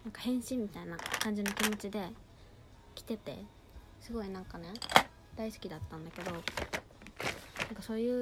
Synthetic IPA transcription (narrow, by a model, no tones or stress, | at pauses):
nãŋkahẽ̞ɰ̃ɕĩmːʲit̪ainakãɲ̟d͡ʑino̞kʲimo̞t͡ɕid̪e̞ | kʲi̥t̪e̞t̪e̞̰ | sɨɡo̞inãŋkane̞ | d̪̥aisɨ̥kʲid̪at̪ːãnd̪ake̞d̪o̞ | nãŋkaso̞ːjɯ̟ː